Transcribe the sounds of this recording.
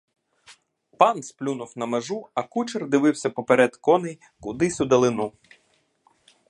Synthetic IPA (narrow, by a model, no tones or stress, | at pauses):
pɑnsplʲunʊwnɐmeʒuɐkut͡ʃerd̪ɪʋɪwsʲɐpɔpeɾɛd̪kɔnej | kʊd̪ɪsʲʊd̪ɐlˠɪnu